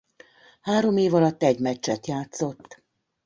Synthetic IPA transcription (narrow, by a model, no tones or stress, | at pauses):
haːɾo̞meːvɒlɒt̪ːɛɟmɛt͡ʃːɛt̪jaːt̪so̞t̪ː